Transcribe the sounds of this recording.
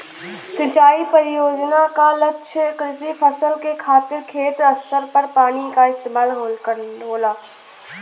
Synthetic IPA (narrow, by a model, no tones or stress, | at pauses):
sɪ̃t͡ʃaːipɐɾjoːd͡ʑnakalɐʃʰɪkɾɪsipʰɐsəlkekʰaːt̪ɪɾkʰeːt̪ɐst̪əɾpɐɾpaːɽ̃ikʰãɪst̪eːmaːlɦoːlkɐɾnɦoːlaː